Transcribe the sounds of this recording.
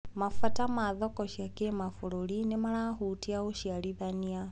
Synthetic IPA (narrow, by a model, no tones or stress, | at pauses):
mafatamaðɔkɔʃiakemafoɾoɾinemaɾahutiaoʃiaɾiðania